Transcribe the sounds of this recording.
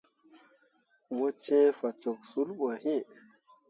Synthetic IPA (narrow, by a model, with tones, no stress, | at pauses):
mo˦t͡ʃẽ˦fa˨t͡ʃo˨k̚su˦lɓo˨hĩ˦˨